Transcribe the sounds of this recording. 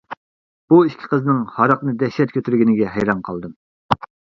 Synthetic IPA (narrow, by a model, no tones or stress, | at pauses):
b̥uiʃkʲʰi̥qʰəzɨnɨŋhɑɾɑqnɨd̪ɛʃːɛt̪̚kʲʰøt̪ʰyɾɡʲinɪɡʲɛɦɛ̰jɾɑnqʰɑlˠd̪ɨm